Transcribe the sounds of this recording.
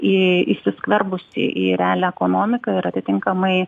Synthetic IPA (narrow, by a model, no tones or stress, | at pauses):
iːɪʃsʲɪskʋʲɛrbʊsʲɪ̰ʔiːɾʲɛæːlʲæɛkoːnoːmʲɪkɐɪɾɐt̪ʲɪt̪ʲɪŋkɐmɐɪ